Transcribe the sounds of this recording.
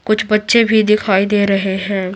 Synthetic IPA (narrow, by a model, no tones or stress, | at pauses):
kʊt͡ʃʰbɐtːʃebʱid̪ɪkʰaːid̪eːɾɐɦeɦɛ̃ː